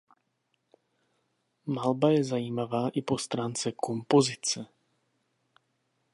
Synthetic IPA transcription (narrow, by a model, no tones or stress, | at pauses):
malbajɛzajiːmavaːʔɪpo̞st̪ɾaːnt͡sɛko̞mpo̞zɪt͡sɛ